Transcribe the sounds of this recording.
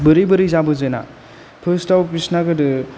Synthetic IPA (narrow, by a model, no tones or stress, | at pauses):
bɯɾɯjbɯɾɯjzabɯzɯjna̰ | pʰɯstawpɾisnaɡɯdɯ